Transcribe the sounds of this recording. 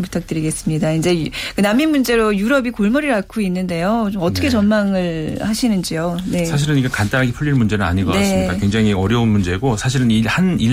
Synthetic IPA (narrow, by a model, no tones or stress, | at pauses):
pu̥tʰak̚t͈ɯɾiɡe̞s͈ɯmɲidaind͡ʑe̞kɯnamːinmund͡ʑe̞ɾojuɾʌbikoɭmʌɾiɭakʰoinːɯnde̞jot͡ɕomʌt͈ʌkʰe̞t͡ɕʌnmaŋɯɭhaɕʰinɯnd͡ʑione̞sʰaɕ̬ʰiɾɯniɡekant͈anɦaɡipʰuʎːiɭmund͡ʑe̞nɯna̰ɲiɡʌknaesɯmik͈a̰kwe̞ŋd͡ʑaŋiʌɾjʌunmund͡ʑe̞ɡosʰaɕ̬ʰiɾɯnihani